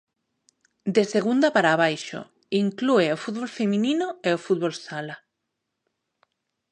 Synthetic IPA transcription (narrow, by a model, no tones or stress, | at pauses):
d̪eseɣ̞und̪apaɾaːβ̞ajʃo̰ | iŋklueofut̪̚βolfemĩnĩnoeofut̪̚βolsala